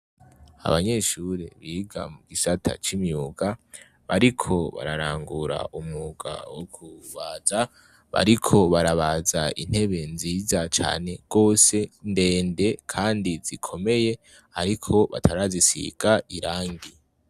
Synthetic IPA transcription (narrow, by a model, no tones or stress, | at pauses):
a̰βaɲe̞ʃuɾe̞̰βiːɡa̰muuɡisatʰa̰t͡ʃimjuɡa | βaɾikʰo̞βa̰ɾaɾaːŋɡuɾa̰umŋuɡ̥a̰wokʰuβaza | βa̰ɾikʰo̞βaɾaβazaḭn̥he̞βe̞nziːzat͡ʃa̰ːne̞ɡ̥o̞ːse̞nde̞ːnde̞kʰaːndizikʰo̞me̞je̞ | aɾikʰo̞βa̰tʰaɾazisḭɡ̥aʔiɾaːŋɡi